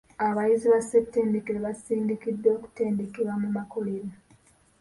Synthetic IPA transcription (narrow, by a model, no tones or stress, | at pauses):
aβajiziβasepte̞ndekeɾeβasiːndikidːo̞ːku̥te̞ːndekiɾamumako̞leɾa